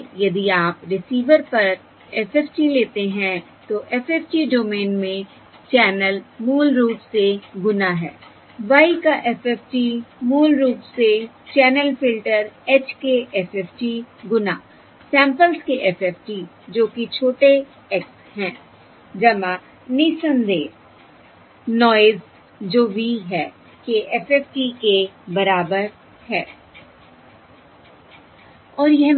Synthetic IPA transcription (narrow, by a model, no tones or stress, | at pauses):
jɐd̪iaːpɾɪsiːʋəɾpɐɾ | ɛfɛːfʈileːt̪eɦɛ̃ | t̪oʔɛfɛːfʈiɖoːmeːnmẽ | t͡ʃɛːnəlmuːlɾuːʈseɡʊnaɦɛ̰ː | ʋaːikaʔɛfɛfʈimuːlɾuːʈse | t͡ʃɛːnəlfɪlʈəɾɛːt͡ʃkeʔɛfɛːfʈiɡʊnaː | sɛ̃ːmpəlskeʔɛfɛːpʈi | d͡ʒoːkit͡ʃʰoːʈe | ɛks | ɦɛ̃ː | d͡ʒɐmã | nisə̃nd̪eːs | nɔːɪz | d͡ʒoːbʱiɦɛː | keʔɛfɛːfʈikebɐɾaːbəɾ | hɛː | ɔːɾjɛɦ